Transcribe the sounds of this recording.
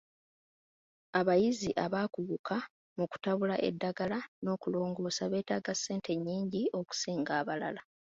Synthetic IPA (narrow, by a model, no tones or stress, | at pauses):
aβajiziʔaβaːkuβukʰa | muku̥taβulaʔe̞̰dːaɡalano̞ːkulo̞ːŋɡo̞ːsaβe̞ːtaːɡasːe̞ːntʰe̞ɲːiːɲɟio̞ku̥siːŋɡaːβalala